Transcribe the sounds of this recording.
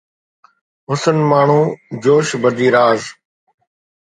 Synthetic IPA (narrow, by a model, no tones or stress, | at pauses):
ɦʊsənmaːɳ̤ũːd͡ʒoːʃbəd̪iːɾaːz